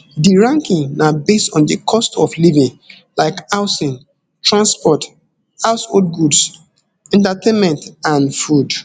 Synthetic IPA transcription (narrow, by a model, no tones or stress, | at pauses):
diɹãŋkĩŋnabestɔ̃ndikʰɔstɔflivĩŋ | laɪkaʊsĩn | tɹãnspɔt | haʊshod̚ɡuds | ɛ̃ntatʰẽnmɛ̃ntãnfud